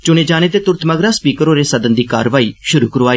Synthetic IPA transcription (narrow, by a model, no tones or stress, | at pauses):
t͡ʃʊneːd͡ʒaːneːt̪eːt̪ʊɾt̪ʰməɡɾaːspiːkəɾoːɾeːsəd̪ənd̪iːka̰ːɾʋaːiːʃʊɾṵːkəɾoːaːiː